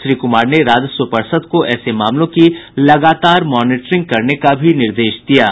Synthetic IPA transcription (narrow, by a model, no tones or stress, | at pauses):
ʃɾiːkʊmaːɾneɾaːd͡ʒ̪səpəɾsəd̪koʔɛːsemaːmlõkilɐɡaːt̪aːɾmɔːnɪːʈɾɪ̃ŋɡ̚kɐɾnekabʱinɪɾd̪eːʃd̪ijaː